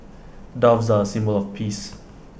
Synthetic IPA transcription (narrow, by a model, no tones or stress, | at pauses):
davsaəsĩmbəlɔfpʰis